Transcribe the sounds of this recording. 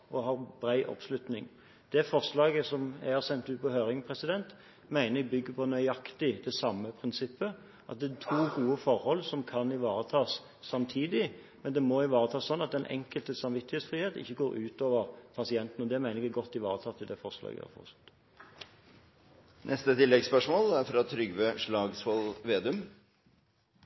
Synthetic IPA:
ɔɦɑːʁbɾæɪʔɔ̰pslʉt̪nɪŋ | d̪̥ɛfɔʁslɑːɡəsɔmæ̰ɪhɑʁsɛnt̪ʉːt̪pɔɦøːɾɪŋpʰʁɛsɪd̪ɛnt̪ | mæɪnəɛbʏɡːəpʰɔnœʏɑkt̪ɪd̪ɛsɑmːəpʰʁɪnsɪpːə | ʔɑt̪̚d̪ɛt̪ʰuːɡuːəfɔɾhɔlːsɔmkʰɑnɪʋɑːʁət̪ʰɑːsː | ɑmt̪ʰiːd̪ɪ | mɛnd̪ɛmɔɪʋɑːʁət̪ʰɑːsːɔnːɑt̪d̪ɛnʔɛ̰ŋkəlt̪əsɑmʋɪt̪ːɪheːt̪sfʁiːheːt̪ɪ̰çːəɡoːɾʉːt̪oːʋəʁpʰɑsɪɛnt̪n̩ɔd̪ɛmæɪnəɪkɡɔt̪ːɪʋɑ̰ːʁət̪ʰɑːt̪ʰːɪld̪ɛfɔʁslɑ̰ːɡɪ̰ɑ̰fɔ̰ʁsɔ̥t̪ː | nʔɛst̪ət̪ʰɪlːɛɡspœʂmoːlæɾfɾɑt̪ʰɾʏɡʋøʂɭɑːɡsfɔlʋeːd̪ʉm

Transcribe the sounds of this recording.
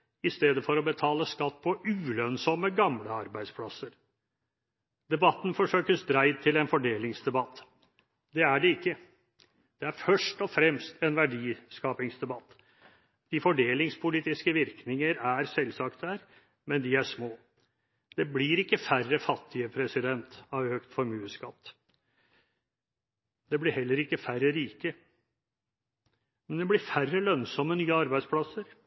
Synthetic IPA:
ɪst̪eːd̪əfɔɾɔbət̪ʰɑːləskɑt̪ːpʰɔʉːlœnsɔmːəɡɑmləɑɾbæɪd̪spʰlɑsəɾ | d̪ɛbɑt̪ːn̩fɔʂøːkəsd̪ɾæɪd̪̚t̪ʰːɪlɛnfɔɖeːlɪŋsd̪ɛbɑt̪ː | d̪ɛæɖɛɪkːə | d̪̥ɛæɾfœʂʈɔfɾɛmst̪ʰɛnʋæɖiːskɑːpɪŋsd̪ɛbɑt̪ː | d̪̥ɪfɔɖeːlɪŋspʰʊliːt̪ɪskəʋɪɾknɪŋəɾæɾsɛlsɑːk̚t̪̚dæːɾ | mɛnd̪ɪæʂmoː | d̪̥ɛblɪɾɪkːəfærəfɑt̪ʰːɪəpʰɾɛsɪd̪ɛnt̪ɑʋhøkt̪fɔɾmʉːəskɑt̪ː | d̪ɛblɪɾhɛlːəɾɪkːəfæɾəɾiːkə | mɛnd̪ɛblɪɾfærːəlœnsɔmːənyːəɑɾbæɪspʰlɑsəɾ

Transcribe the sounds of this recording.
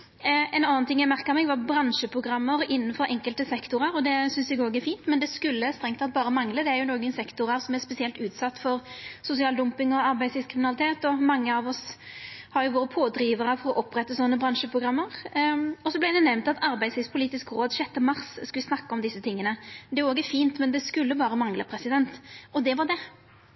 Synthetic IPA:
ɛnɑnːənt̪ʰɪŋːjæɪmæʁkəmɛːɡʋɑɾbɾɑnʂəpʰɾʊɡɾʁɑmːəɾɪnːənfɔɾɛŋkəlt̪əsɛkt̪ʊɾəɾɔd̪ɛsʏnsɛɡoːɡæɾfiːnt̪mɛnd̪ɛskʉlːəst̪ɾɛŋt̪ɑt̪̚bɑːɾəmɑŋːləd̪ɛæɾjʊnoːɡənsɛkt̪ʊɾəɾsɔmæɾspɛsɪɛlt̪ʉːt̪sɑt̪ːfɔɾsʊsɪɑːld̪ʊmpɪŋɔɑɾbæɪslɪskʰɾɪmɪnɑlɪt̪ʰeːt̪ɔmɑŋːəɑʋɔs | hɑɾjʊʋoːɾəpʰoːd̪ɾiːʋəɾəfɔɾɔʔɔpːɾɛt̪ːəsɔnːəbɾɑnʃəpʰɾʊɡɾɑmːəʁɔsɔblɪd̪ɛnɛʋnt̪ɑt̪ʰɑɾbæɪd̪slɪspʰʊliːt̪ɪskɾoːd̪ɕɛt̪ːəmɑʁsskɑʋɪsnɑkːɑɔmd̪ɪsːət̪ʰɪŋːənəd̪ɛæɾoːɡɛfiːnt̪mɛnd̪ɛskʉlːəbɑːɾəmɑŋləpʰɾɛsɪd̪ɛnt̪ɔd̪ɛʋɑʁd̪ɛ

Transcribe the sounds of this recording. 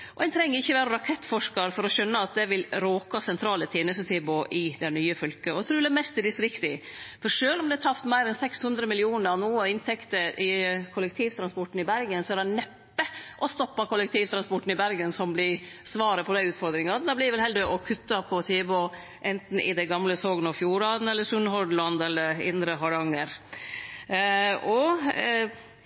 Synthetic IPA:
ʔɔɛt̪ʰɾɛŋːəɾɪçːəʋæːɾəɾɑkʰɛt̪ːfɔʂkɑɾfɔɾɔɕœnːəɑt̪̚d̪ɛʋɪlɾoːkɑsɛnt̪ʰɾɑːlət̪ʰeːnəsət̪ʰeːboːʔɪd̪ɛnyːəfœlkəɔt̪ʰɾʉːd̪æmɛst̪ɪd̪ɪst̪ɾɪkt̪ɪfɔɾʂøːlɔmd̪ɛæt̪ʰɑft̪mæɪɾɛnsɛkshʉnd̪ɾəmɪlɪuːnəɾɑnuːɔɪnt̪ʰɛkt̪əɾʔɪkʰʊlək̚t̪ʰiːʋt̪ʰɾɑnspɔʈːn̩ɪbæɾɡənsɔæɖɛnɛpːəʔɔst̪ɔpːɑkʰʊlːəkt̪ʰiːʋt̪ʰɾɑnspɔʈːn̩ɪbæɾɡənsɔmblɪsʋɑːɾəpʰɔd̪æɪʉːt̪fɔɾd̪ɾɪŋɑd̪ɑblɪʋɛlɦɛld̪əɾʔɔkʰʉt̪ːɑpʰɔt̪ʰeːbɔ | ʔɛnt̪n̩ɪ̰d̪ɛɡɑmləsoːɡnɑfjuːɾɑd̪n̩ɛlːəsʉnːhɔɖlɑnd̪ɛlːəɾɪ̰nd̪ɾəɦɑɾɑŋːəɾ | ɔ

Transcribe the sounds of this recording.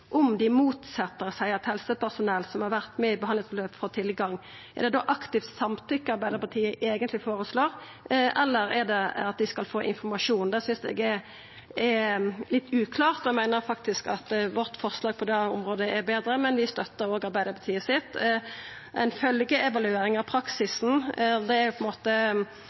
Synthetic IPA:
ʔɔmd̪ɪmuːt̪sɛt̪ːəɾsæɪɛt̪hɛlsəpæʁsʊnɛlsɔmhɑɾʋæʁt̪mɛɪbəhɑnət̪løpfɔːt̪ʰɪlɡɑŋː | ɛ̰ʁd̪ɛd̪oʔɑkt̪ɪft̪sɑmt̪ʰʏkːəɑɾbæɪd̪əɾpɑt̪ʰiːəʔeːɡənt̪lɪfoːɾəsloːʁ | ʔɛlːəɾɛʁd̪ɛɑt̪̚d̪ɪskɑlfoːʔɪnfɔɾmɑʂuːnd̪ɛsʏnsd̪ɛ̰ɡɛ | ɛlɪt̪ːʉːkʰlɑːʁt̪ɔɛmæɪnəɾfɑk̚t̪ɪskɑt̪ʋɔʁt̪fɔʁslɑːɡ̚pʰɔd̪ɛʊ̰mɾoːd̪əʔɛɾbeːd̪ɾəmɛnʋɪst̪œt̪ːəɾoːɡɑɾbæɪd̪əɾpʰɑt̪ʰiːəsɪt̪ː | ɛ̰ɪnfœlɡəɛʋɑlʉeːɾɪŋɑʋpʰɾɑksɪsn̩d̪ɛæjʊpʰɔɛnmoːt̪ə

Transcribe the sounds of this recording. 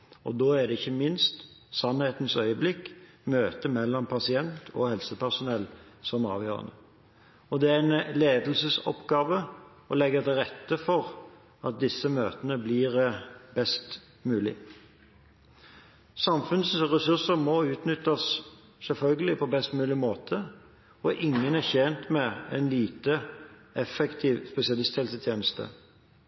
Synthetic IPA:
ɔ̰d̪oːæd̪ɛɪçːəmɪnst̪ | sɑnheːt̪n̩sœʏəblɪkː | møːt̪əmɛlːɔmpʰɑsɪɛnt̪ʰɔ̰hɛlsəpæsʊnɛlːsɔmɑ̰ːʋjø̰ːɾʁə̰nə̰ | ɔd̪ɛææɪnleːd̪əl̩səsɔ̰pɡɑːʋə | ɔlɛɡːət̪ɪlʁɛt̪ːəfɔʁ | ɑt̪̚d̪ɪsːəmøːt̪ənəblɪːʁbɛst̪ | mʉːlɪ̰ | sɑmfʉnsʁɛsʉsəɾmɔʉːt̪nʏt̪ːɑs | sɛlfœlɡəlɪpʰɔbɛst̪mʉːlɪmoːt̪ʰə | ɔʔɪŋːənæçɛnt̪mɛɛɪnliːt̪əɛfɛkt̪ʰiːʋspɛsɪɑlɪst̪hɛlsət̪ʰjeːnəst̪ə̰

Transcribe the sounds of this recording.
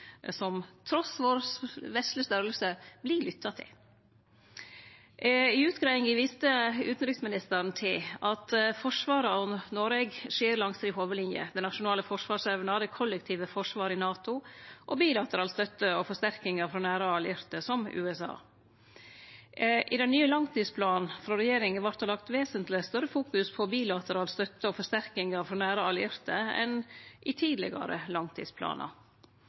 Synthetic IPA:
sɔmt̪ʰɾɔsʋoːɾsʋɛst̪ləst̪œɾəlsəbliɭʏt̪ʰːɑt̪ʰɪ̰l | ɪʉːt̪ɡɾɑɪɪŋɪʋiːst̪əʉːt̪n̩ɾɪksmɪnɪst̪əɾn̩t̪ʰɪlɑt̪fɔʂʋɑːɾəɔnnoɾɛɡʂiːɾlɑŋsɾɪhoːʋəlɪnjə̰d̪ɛnɑʂʊnɑːləfɔʂʋɑːʂɛːʋənɑɾd̪ɛkʰɔlːɛkt̪ʰiːʋəfɔʂʋɑːɾɪnɑːt̪ʊʔɔbiːlɑt̪əɾɑːlst̪œt̪ːəɔfɔʂt̪æɾkɪŋəfɾɔːnæːɾəɑlɪɾt̪əsɔmʉ̰ːɛsɑ̰ː | ʔɪd̪ɛnnːyːəlɑŋt̪iːspʰlɑːnfɾɑɾɛjeːɾɪŋəʋɑɾt̪hɑlɑkt̪ʋeːsənt̪lɪst̪œɾəfuːkʉspʰɔbiːlɑt̪əɾɑːlst̪œt̪ːəɔːfɔʂt̪æɾkɪŋɑfɾɔːnæːɾəɑlɪɾt̪əɛ̰nʔɪt̪ʰiːd̪lɪ̰ɡɑ̰ɾə̰lɑŋt̪ʰḭːspʰlɑ̰ːnɑ̰

